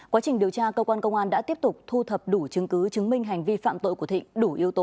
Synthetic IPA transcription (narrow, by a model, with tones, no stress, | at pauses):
kwa˨˦t͡ɕï˨˩ŋ̟ɗi˨˩əwt͡ɕaː˧kəː˧kwaː˧nkə˧wŋ͡mʔaː˧nɗa̰ː˧˥t̪i˦˥əp̚t̪ʊ˨˩k͡p̚t̪ʰu˧t̪ʰə˨˩p̚ɗu˧˩t͡ɕɨ˨˦ŋkɨ˨˦t͡ɕɨ˨˦ŋmï˧ŋ̟ɦa˨˩jŋ̟vi˧fa̰ː˧˨mt̪o̰˧˨jku˧˩t̪ḭ˧˨ŋɗu˧˩ʔi˨˦əwt̪o˨˦